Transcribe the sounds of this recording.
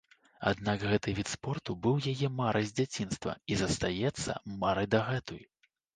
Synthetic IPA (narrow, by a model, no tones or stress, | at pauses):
a̰d̪naɡɣɛt̪ɨvʲit̪spɔrt̪ubɨwjajɛmaɾʔɐjzʲd͡zʲat͡sʲinst̪vɐ̰izɐst̪ajɛt̪sːɐ̰maɾɨjd̪ɐɣɛt̪uj